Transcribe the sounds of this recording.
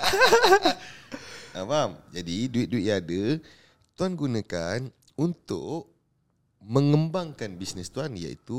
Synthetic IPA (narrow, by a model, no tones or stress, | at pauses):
avamd͡ʒadiduɪt̪̚duitjaːdə | t̪uanɡunãkan | unt̪ʊ̰ʔʔ | mə̃ŋəmbaŋkanbisnəst̪uanja̰ḭt̪u